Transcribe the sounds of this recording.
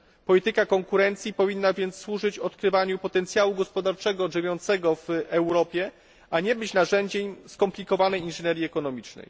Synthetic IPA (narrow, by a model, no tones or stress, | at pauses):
pɔlʲit̪ɘkakɔŋkuɾɛnt̪sʲjipɔvʲinːavʲjɛnt̪sːwuʐɘt͡ɕɔt̪kɾɘvaɲupɔt̪ɛnt̪sʲjawuɡɔspɔd̪aɾt͡ʂɛɡɔʐɘvʲjɔnt̪sɛɡɔvʔɛwɾɔpʲjɛ | aɲɛbɘt͡ɕnaʐɛɲd͡ʑeɲskɔmplʲikɔvanɛjinʐɛɲɛɾʲjiɛkɔnɔmʲit͡ʂnɛ̰j